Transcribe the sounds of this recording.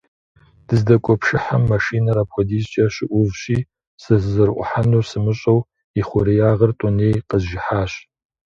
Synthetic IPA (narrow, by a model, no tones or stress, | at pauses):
d̥ɨzdɐkʷʼɔpʰʂɨħamːɐʂiːnɐɾapʷʰɔdiːzt͡ʃʼɐɕɪʔʷʊvɕiː | sɨzzɨrʔʷʼʊ̰ħanuːsɨmɨɕʼɐw | iχʷʊɾijaːʁɐrtʼɔneːjqəzʒɪħaːɕ